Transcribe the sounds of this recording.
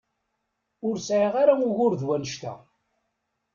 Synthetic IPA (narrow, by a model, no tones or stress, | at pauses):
ʊɾsʕiʁaɾaʊʝʊɾðwænəʃt̪æ̰